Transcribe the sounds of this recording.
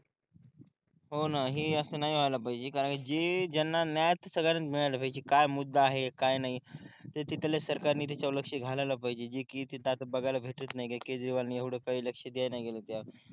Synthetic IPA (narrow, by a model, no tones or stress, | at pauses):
ɦonaɦiːəsənaɦiʋ̤ajlapaɦid͡ʑekaɾəɳkid͡ʑed͡ʑənːanjajt̪səɡɭanənt̪miɭajlapaɦid͡ʑekajmud̪ːaːɦekajnaɦit̪et̪it̪lesəɾkaɾniːt̪̬at͡ɕauləkʂiːɡʱalajlapaɦid͡ʑed͡ʑikit̪it̪at̪əbəɡajlabʱeʈət̪naɦiɡeked͡zɾiʋalniːeʋɽ̤ekaɦiːləkʂəd̪ijajnajɡelət̪ja